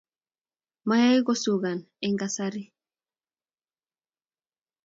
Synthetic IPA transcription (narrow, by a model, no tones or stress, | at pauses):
majajɡosuɡan | eŋɡasaɾi